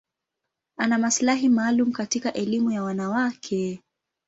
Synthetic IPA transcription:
anamaslaɦimaːlumukatikaʔɛlimujawanawakʰɛ

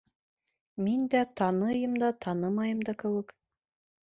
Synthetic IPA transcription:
mind̪æt̪ɑnɤjɤmd̪ɑt̪ʰɑnɤmɑjɤ̆md̪ɑkɘ̆wɘk

